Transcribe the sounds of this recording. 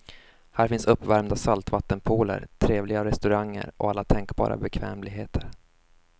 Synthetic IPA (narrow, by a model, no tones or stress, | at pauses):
hæːɾfɪnsɵpːvæɾmd̪asalt̪vat̪ːənpʰuːlə̰ɾt̪ʰɾeːvlɪɡaɾɛst̪ɵɾaŋːə̰ɾɔ̰alːat̪ʰɛŋkbɑ̰ːɾʔa̰bɛkʰvɛːmlɪɡɦeːt̪ʰəɾ